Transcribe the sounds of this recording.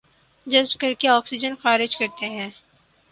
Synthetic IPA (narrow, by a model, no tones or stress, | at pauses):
d͡ʒɐzb̚kɐɾkeɔːksɪd͡ʒənxaːɾɪd͡ʒkɐɾt̪eɦɛ̃ː